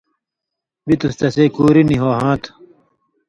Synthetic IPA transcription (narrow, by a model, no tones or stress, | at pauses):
bit̪ust̪ɐseːkuːɾiniɦoːɦãːt̪ʰ